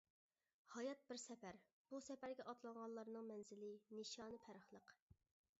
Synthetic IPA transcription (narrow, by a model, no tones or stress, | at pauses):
hɑjɑt̪̚bɪɾsɛpæɾ | b̥usɛpæɾɡʲɛʔɑt̪lˠɑŋʁɑnlˠɑɾnɨŋmɛnzɪlɪniʃɑːnɨpʰæɾəχlˠəq